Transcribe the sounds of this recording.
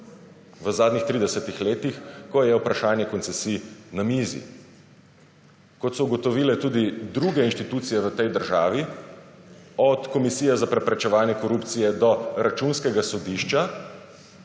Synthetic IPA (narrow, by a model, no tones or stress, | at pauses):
ʋəzaːd̪nixt̪ɾiːd̪ɛsɛt̪ixleːt̪ixkɔjɛupɾaʃaːnjɛkɔnt̪sɛsiːnamiːzḭ | kɔt̪sɔuɡɔt̪ɔʋiːlɛt̪uːd̪id̪ɾuɡɛinʃt̪it̪uːt̪sijɛʋət̪ɛjd̪əɾʒa̰ːʋi | ɔt̪kɔmisiːjɛzapɾɛpɾɛt͡ʃɛʋaːnjɛkɔɾupt̪sijɛd̪ɔɾat͡ʃunskɛɡasɔd̪iʃt͡ʃa